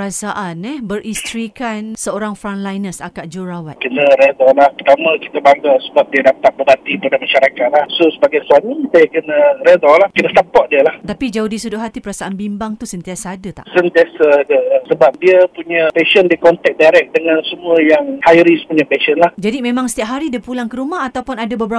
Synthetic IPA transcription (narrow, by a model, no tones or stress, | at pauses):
əɾasaʔanɛbəɾʔist̪ɾikansəoɾaŋfɾaŋnlajnəsakaʔ̚d͡ʒuɾawat̪kənəɾɛdɔlahpərt̪amaki̥t̪abaɡasəbap̚diədapat̪̚bəat̪ipadamaʃaɾakaʔ̪̚lahsosəbaɡajsuamisajakənəɾɛdɔlahkənəsapɔʔdiəlaht̪apid͡ʒaudisudʊʔɦat̪ipəɾasaʔanbimbaŋt̪usənt̪iasaːdat̪a̰ʔsənt̪iasadəsəbap̚diəpuɲapeʃəndikɔnt̪ɛk̚dajɾɛk̚dəŋansəmuəjaŋhajɾispuɲapɛʃənlahd͡ʒadimẽmãŋsə̥t̪iap̚ɦaɾidiəpulaŋkəɾumaɦat̪awpʊnadabəbəɾa